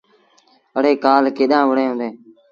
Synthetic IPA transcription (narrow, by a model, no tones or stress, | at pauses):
əɽeːkaːlkeːɗãːʋəɽẽːɦʊ̃ːd̪eː